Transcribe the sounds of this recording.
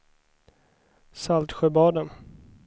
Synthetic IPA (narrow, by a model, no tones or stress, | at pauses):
salt̪ɧœbɑːd̪ən